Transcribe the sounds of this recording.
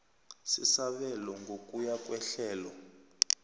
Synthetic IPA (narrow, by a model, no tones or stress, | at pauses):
sisaɓɛlɔŋɡʱokʼujakʼwɛɬɛːlɔ